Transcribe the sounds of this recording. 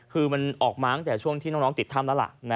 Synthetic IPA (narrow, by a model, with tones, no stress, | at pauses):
kʰɯː˧ma˧nʔɔː˨˩k̚maː˦˥ŋt̪ɛː˨˩t͡ɕʰu˥˩əŋt̪ʰiː˥˩ɔː˦˥˩nɔː˦˥ŋt̪i˨˩t̪ʰːa˥˩mlɛː˦˥la̰˨˩ʔn˦˥